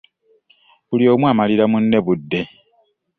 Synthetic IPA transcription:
βulio̞ːmwaːmaliɾamunːe̞βudːe̞

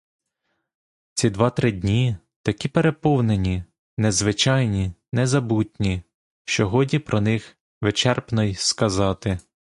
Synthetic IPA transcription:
t͡sʲid̪ʋɑt̪ɾɪdʲnʲi | t̪ɐkʲipeɾe̞pɔwnenʲi | nɛzʋɪt͡ʃɑjnʲinɛzɐbutʲnʲi | ʃt͡ʃɔɦɔdʲnʲipɾɔnɪx | ʋet͡ʃɛrpnɔjskɐzɑt̪ɪ

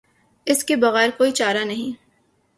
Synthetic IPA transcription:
ɪskebɐɣɛːɾkoːit͡ʃaːɾanɐɦĩː

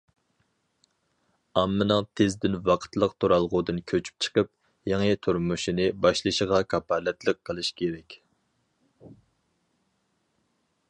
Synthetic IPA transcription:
ɑmːɨnɨŋt̪ʰezd̪ɪnwɑqʰə̥t̪lˠəqt̪ʰoɾɑlˠʁʊd̪ɨnkʲʰøt͡ʃʰy̥p̚t͡ʃʰə̥qəp | jɑŋət̪ʰuɾmuʃinɪbɑʃlˠɨʃəʁɑkʰɑpɑlɛt̪lˠəqʰːəlˠɨʃkʲʰeɾɛkʲ

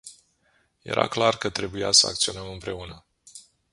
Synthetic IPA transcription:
je̞̰ɾʔa̰klarkət̪ɾe̞buja̰səa̰k̚t̪sio̞nəmɨmpɾe̞unə

